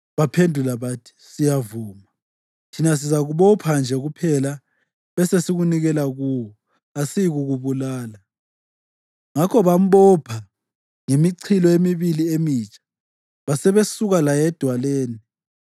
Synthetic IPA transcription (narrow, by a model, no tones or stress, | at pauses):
βapʰendʱulaβatʰi̥sijavuːma | tʰinas̬izaɣuβɔpʰand͡ʒʱɛɣupʰɛla | βɛsesiɣuniɣɛlaɣuːwɔ | asiɣuɣuβulaːla | ŋakʰɔβam̩ɓɔpʰa | ŋemiǀʰilɔemiβiliemiːt͡ʃʼḁ | βasɛβesuɣalajɛd̥ʱwaleːni